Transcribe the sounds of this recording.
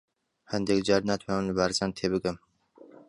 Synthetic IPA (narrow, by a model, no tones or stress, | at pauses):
hand̪ekd͡ʒɑːɾnaːt̪ʰwɑːwɨnlɨbaːɾzaːnt̪ʰeːbɨɡɨm